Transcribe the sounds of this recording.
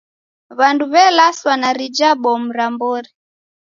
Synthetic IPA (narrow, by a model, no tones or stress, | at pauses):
βanduβɛlaswanaɾid͡ʒaɓɔm̩ɾambɔɾi